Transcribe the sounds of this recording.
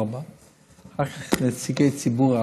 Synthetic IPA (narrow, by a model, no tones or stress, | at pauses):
ʁba | hakaχnɛt͡siɡejt͡sibuʁa